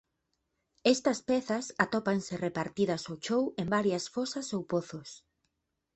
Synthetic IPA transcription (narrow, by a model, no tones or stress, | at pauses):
ɛst̪ɐspɛθɐsat̪ɔpansɪrepaɾt̪iðɐsot͡ʃowembaɾjɐsfosɐsowpoθʊs